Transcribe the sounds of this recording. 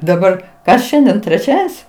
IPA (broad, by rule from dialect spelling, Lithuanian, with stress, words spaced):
dɐˈbɐr ˈkɐs ˈʃʲɛnʲdʲiɛn tʲrʲɛˈt͡ʃʲæːdʲɛnʲsʲ